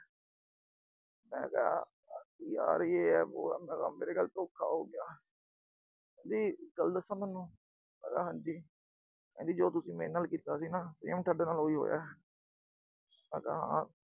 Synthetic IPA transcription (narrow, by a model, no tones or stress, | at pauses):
mɛ̰̃ːka̰ː | ja̰ːɾeːɛːbo̰ːmɛ̃ːka̰ːmeːɾeːɡəlt̪õːkʰːa̰ːɦo̰ːɡɪjaː | kɛ̃ːd̪iːɡəld̪əsːə̃ːt̪ːnːũː | əɡaːɦə̃nd͡ʒiː | kɛ̰̃ːnd̪iːd͡ʒoːt̪ʊsĩːmeːnaːlkiːt̪aːsiːnaːsḭ̃ːəmʈʰəɖnaːlɦoːiːɦo̰ːja̰ː | ãːkaːɦã̰ː